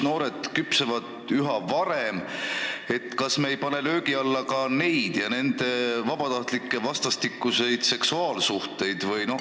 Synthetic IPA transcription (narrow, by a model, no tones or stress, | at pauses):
no̞ːɾe̞d̪̥kypsevɑd̪̥ | yɦɑvɑɾe̞m | e̞t̪ːˑkɑsme̞ːjpɑne̞lø̞ːɡiɑlːɑkɑne̞jd̪̥jɑne̞nd̪̥e̞vɑb̥ɑt̪ɑht̪likːˑevɑst̪ɑst̪ikːˑuse̞jd̪̥se̞ksuɑːlsuht̪e̞jd̪̥vɯjno̞